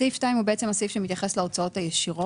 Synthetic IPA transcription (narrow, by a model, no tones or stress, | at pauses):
iftajmhubeet͡se̞masifʃemit̪jaχe̞sleot͡saothajeʃiʁo